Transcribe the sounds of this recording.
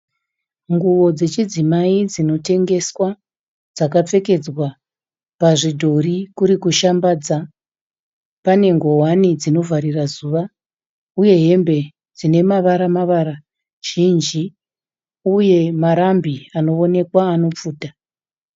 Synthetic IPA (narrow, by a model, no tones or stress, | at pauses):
ŋɡuʋo̞d͡ze̞t͡ʃid͡zimaid͡zino̞te̞ŋɡe̞swa | d͡zakap͡fe̞ke̞d͡zwa | paʐidʱo̞rikuɾikuʃambaːd͡za | pane̞ŋɡo̞wanid͡zino̞vaɾirazuːʋa | uje̞ɦe̞mbe̞ | d͡zine̞maʋaɾamaʋaɾa | ʒ̥ind͡ʒi | uje̞maɾambiano̞o̞ne̞kwaːno̞p͡fuːta